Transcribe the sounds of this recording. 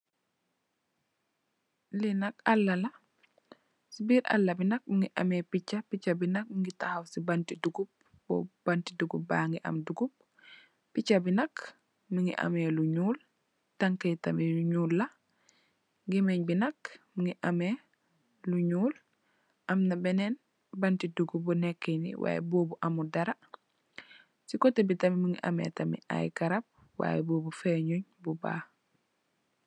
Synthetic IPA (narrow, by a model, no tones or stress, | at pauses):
linakalːala | sibiɾʔa̰lːabinak̚miŋɡiʔa̰mɛpit͡ʃːapit͡ʃːabinak̚miŋɡitahawsibantiduɡub̚ | bɔ̰b̥antiduɡubaŋɡiʔa̰mduɡub̚ː | it͡ʃːabinak | miŋɡḭʔa̰mɛluɲuːl | taŋkɛtamiuɲulːa | ɡimeɲbinɐkmiŋiʔame | luɲuːl | ʔɐmnɐbɛnen | bantiduɡubunekːenḭwʔa̰ːjḛboːbuʔamudaɾa | sikotːebitɐmimiŋiʔa̰mḛtɐmḭa̰jkaɾap̚ | wa̰ːjeboːbufeɲuɲbuba̰ː